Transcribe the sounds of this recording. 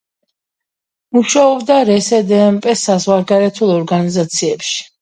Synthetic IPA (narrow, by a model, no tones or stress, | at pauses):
muʃaɔbd̪aɾɛsɛd̪ɛːmpʼɛsazʁwaɾɡaɾɛt̪ʰulˠɔɾɡanizat̪sʰiɛpʃi̥